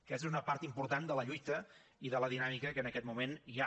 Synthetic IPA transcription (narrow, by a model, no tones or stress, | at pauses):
kɛz̬zunəpaɾt̪impuɾt̪and̪ələʎujt̪ə | iðələðinamikəkəːnəkɛt̪mumenʒa